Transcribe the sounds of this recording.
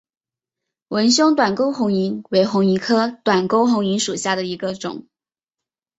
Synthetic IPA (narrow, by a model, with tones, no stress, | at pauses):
wə˧˥nɕjʊ˥ŋt̪wa˨˩nko˥ʊxʊ˧˥ŋi˧˥ŋwe˧˥ɪxʊ˧˥ŋi˧˥kʰɤ˥t̪wa˨˩nko˥ʊxʊ˧˥ŋi˧˥ŋʂu˨˩ɕja˥˩d̪ə˩i˧˥ɡə˧ʈ͡ʂʊ̰˨˩˦ŋ